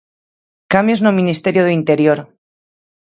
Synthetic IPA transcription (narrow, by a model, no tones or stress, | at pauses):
kambjoznomĩnist̪eɾjoðeint̪e̞ɾjoɾ